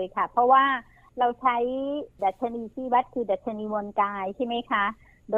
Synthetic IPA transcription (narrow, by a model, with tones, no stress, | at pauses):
jkʰa˥˩pʰɔ˦˥waː˥˩ | ɾa˧wt͡ɕʰa˦˥jda˨˩t̪̚t͡ɕʰa˧niː˧t̪ʰiː˥˩wa˦˥t̪̚kʰɯː˧da˨˩t̪̚t͡ɕʰa˧niː˧mu˧ənkaː˧jt͡ɕʰa˥˩jma˦˥jkʰa˦˥ | doː˧